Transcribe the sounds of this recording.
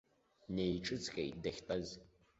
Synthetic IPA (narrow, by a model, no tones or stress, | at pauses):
nejʈ͡ʂʼɨt͡sxejdɐxtʼɐz